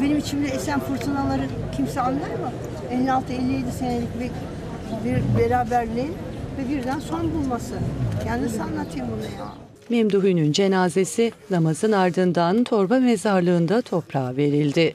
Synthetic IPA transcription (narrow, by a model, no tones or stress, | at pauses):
be̞nimit͡ʃʰimd̪ɛesænfuɾt̪ʰanalˠaɾɯcʰimsɛalˠɯlˠaɾmɯ | ɛlʲːialˠt̪ʰɯelʲːijed̪isenelʲicbɛc | biɾbeɾaːbæɾlʲiin | vɛbiɾd̪ænso̞nbulˠmasɯjaːnid̪isanːat̪ʰjɯmbunuja̰ | memd̪uɦynynd͡ʒe̞naːze̞sinamazɯnaɾd̪ɯnd̪ant̪ʰo̞ɾbamezaɾlˠɯːnd̪at̪ʰo̞pɾaːve̞ɾilʲd̪ɪ